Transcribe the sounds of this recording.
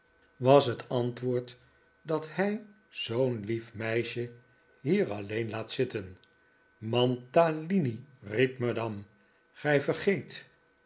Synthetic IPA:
ʋɑsɦətɑntʋʊːɹt | dɑthɛj | z̥ownlifmɛjʃə | ɦiːɹɑlejnlaːtsɪtən | mɑntaliniripmadɑm | χɛjfərχejt

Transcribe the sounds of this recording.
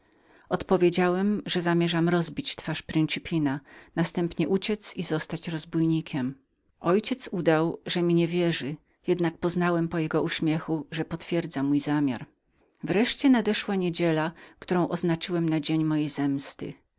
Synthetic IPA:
ɔt̪pɔvʲjed͡ʑawɛmʐɛzamʲjɛʐamɾɔzbʲit͡ɕt̪faʂpɾɨnt͡ʂɘpʲinanast̪ɛmpɲɛʔut͡ɕɛt̪sizɔst̪at͡ɕɾɔzbujɲikʲɛm | ɔjt͡ɕɛt̪sud̪awʐɛmʲiɲɛvʲjɛʐɘ | jɛd̪nak̚pɔznawɛmpɔjɛɡɔuɕmʲjɛxuʐɛpɔt̪fʲjɛɾd̪zamujzamʲja̰ɾ | vɾɛʂt͡ɕɛnad̪ɛʂwaɲed͡ʑɛlakt̪uɾɔ̃w̃ʔɔznat͡ʂɘwɛmnad͡ʑeɲmɔjejzɛmst̪ɘ̰

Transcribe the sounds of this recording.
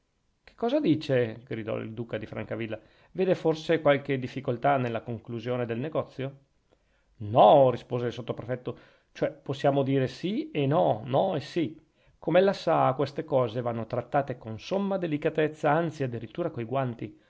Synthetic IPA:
ke̥kːɔːzad̪iːt͡ʃeɡ̥ɾid̪ɔ̰ḭld̪uːkad̪ifɾa̰ŋkavilːa | veːd̪eforsekwalked̪ifːikolt̪anelːakoŋkluzjoːned̪elneɡɔt̪sːjo | nɔrispoːzelsot̪ːopɾefɛt̪ːo | t͡ʃoɛposːjaːmod̪iːɾesienɔnɔesi | komɛlːasakwest̪ekɔːzevanːot̪ɾat̪ːaːt̪ekonsomːad̪elikat̪ɛt̪sːaant̪siad̪ːiɾit̪ːuːɾakojɡwant̪i

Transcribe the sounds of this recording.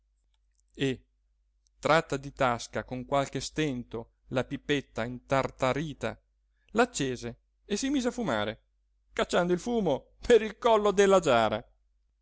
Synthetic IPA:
e | t̪ɾat̪ːad̪it̪askakoŋkwalk̟est̪ent̪o | lapipːet̪ːaint̪art̪aɾiːt̪a̰ | lat͡ʃːeːzeː | simiːzeafuma̰ːɾe | kat͡ʃːand̪oilfuːmo | pʰeɾilkɔlːod̪elːad͡ʒaːɾa̰

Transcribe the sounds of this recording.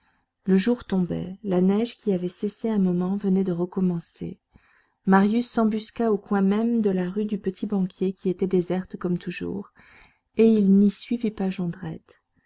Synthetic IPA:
ləʒuʁt̪ɔ̃bɛ̰lanɛʒkʲiavɛseseɛ̃mɔmɑ̃vənɛd̪əʁəkɔmɑ̃sḛ | maʁjysːɑ̃byskaokwɛ̃mɛmd̪əlaʁyd̪ypət̪ʰibɑ̃kʲjekʲiet̪ɛd̪ezɛʁt̪kɔmt̪uʒṵːʁ | eilnisɥivipaʒɑ̃d̪ʁɛt̪

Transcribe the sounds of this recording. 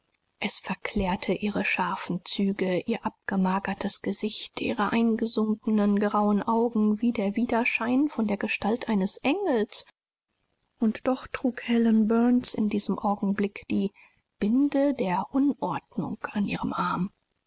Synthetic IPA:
ʔɛsfɛɐkʰl̥ɛːɐtʰəʔiːʁəʃaɐfn̩t͡syːɡəʔiːɐʔap̚ɡ̥əmaːɡɐtʰəsɡ̥əzɪçtʰʔḭːʁəʔaɪnɡəzʊŋkənənɡʁaʊənʔaʊɡŋ̩viːdeːɐviːdɐʃaɪnfɔndeːɐɡəʃtaltʔaɪnəsʔɛŋl̩s | ʔʊntd̥ɔχtʁ̥uːkhɛlənbœɐnsɪ̰ndiːz̥əmʔaʊɡŋ̩blɪkd̥iː | b̥ɪndədeːɐʔʊnʔɔɐtnʊ̰ŋkanʔiːʁəmʔaɐm

